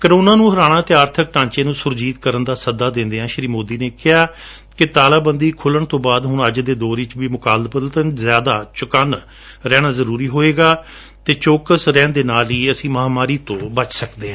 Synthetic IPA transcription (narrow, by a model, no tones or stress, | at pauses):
kəɾoːnaːnũːɦəɾaːɽ̃ãːt̪eːaːɾt̪ʰək̚ʈãːɲt͡ʃeːnũːsʊɾd͡ʒiːt̪kəɾənd̪aːsəd̪aːd̪ɪ̃nd̪eːɦãːʃɾiːmoːd̪iːneːkɪaː | kɪt̪aːlaːbənd̪iːkʰʊləɳt̪õːbaːd̪ɦʊɳəd͡ʒd̪eːd̪oːɾit͡ʃʋiːmʊkaːld̪pəd̪t̪ənzjaːd̪aːt͡ʃʊkən | ɾɛːɽ̃aːzəɾuːɾiːɦoːeːɡaː | t̪eːt͡ʃoːkəsɾɛ̃ːnd̪eːnaːliːəsĩːməɦaːmaːɾiːt̪õːbət͡ʃsəkd̪eːɦã